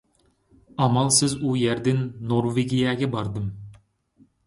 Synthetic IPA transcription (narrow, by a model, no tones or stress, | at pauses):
ɑmɑlˠsɪzujæɾd̪ɪnːoɾveɡʲijæɡʲɛbɑɾd̪ɨm